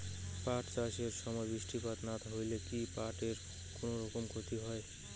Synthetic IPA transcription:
paʈt͡ʃaʃeɾʃɔmɔjbɾisʈʰipat̪nat̪aɦojlekipaʈeɾ | konoɾɔkomkʰot̪iɦɔe

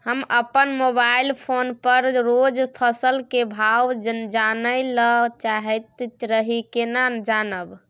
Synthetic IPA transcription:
həməpənmobailpʰonpəɾɾod͡ʒpʰəsəlkebʱawd͡ʒd͡ʒanəjlət͡ʃaɦɛt̪ɾəɦikenad͡ʒanəb

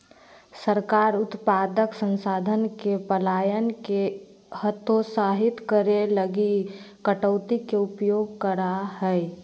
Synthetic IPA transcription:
səɾkaːɾʊt̪paːd̪əksə̃nsaːd̪ʱənkepəlaːjənke | hət̪ʰosaːɦɪt̪kəɾeləɡi | kəʈəːt̪ikeʊpjoːɡ̚kəɾaɦɛ

